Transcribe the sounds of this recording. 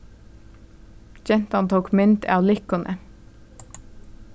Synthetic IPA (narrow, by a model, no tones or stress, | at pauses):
çɛnt̪ɑnt̪ʰoːkmʏnt̪æ̰ːɑʋlɪkʊnʔə̰